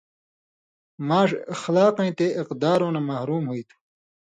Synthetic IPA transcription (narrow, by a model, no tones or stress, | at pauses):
maːʂɐxlaːqɐ̃ĩt̪eɪqd̪aːɾoːnamɐhɾuːmɦuit̪ʰu̥